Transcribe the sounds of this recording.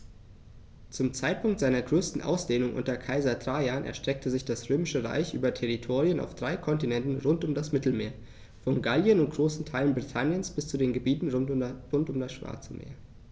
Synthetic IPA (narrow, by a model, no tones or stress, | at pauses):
t͡sʊmt͡saɪt̚pʰʊŋktz̥aɪnɐɡʁøːstn̩ʔa̰ʊsd̥eːnʊŋʔʊ̰ntɐkʰaɪzɐtʁ̥aːjaːnʔɛ̰ɐʃtʁ̥ɛk̚tʰəzɪçd̥asʁøːmɪʃəʁa̰ɪçʔy̰ːbɐtʰɛʁitʰoːʁiəna̰ʊfd̥ʁaɪkʰɔntinɛntn̩ʁʊntʊmdasmɪtl̩meːɐ | fɔnɡaljənʊnt̚ɡ̥ʁoːsn̩tʰaɪlənbʁitʰanjənsb̥ɪst͡sudeːnɡəbiːtn̩ʁʊntʊmdasʃv̥a̰ɐt͡səmḛːɐ